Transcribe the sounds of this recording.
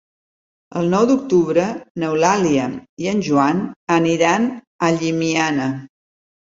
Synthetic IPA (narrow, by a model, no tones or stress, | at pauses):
ə̰lˠnɔwd̪uk̚t̪uβɾənəwlaliəiənʲʒuanəniɾan | əʎimianə